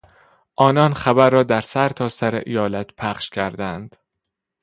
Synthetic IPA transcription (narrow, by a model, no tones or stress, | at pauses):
ʔɒːnɒnχæbæɾːɒːd̪æɾsæɾt̪ʰɒːsæɾḛʔijɒːlæt̪pʰæχʃcʰæɾd̪ænd̪̥